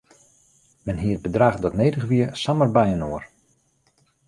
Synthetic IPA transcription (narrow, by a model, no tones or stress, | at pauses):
mɛnɦiət̚bədraːχdɔtnejdəχʋiəsamərbɛjənoər